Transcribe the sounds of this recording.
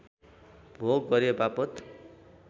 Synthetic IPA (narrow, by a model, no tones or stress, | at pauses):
bʱoɡɡʌɾjebapʌt̪